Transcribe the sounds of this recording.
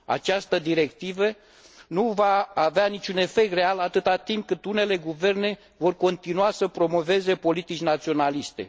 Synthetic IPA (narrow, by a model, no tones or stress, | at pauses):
a̰t͡ʃast̪əd̪iɾe̞kt̪ivə | nuvaːveanit͡ʃune̞fe̞k̚t̪re̞alat̪ɨt̪at̪imp̚kɨt̪une̞le̞ɡuve̞rne̞ | vo̞rko̞nt̪inuasəpɾo̞mo̞ve̞ze̞po̞lit̪it͡ʃʲnat̪sio̞nalist̪e̞̰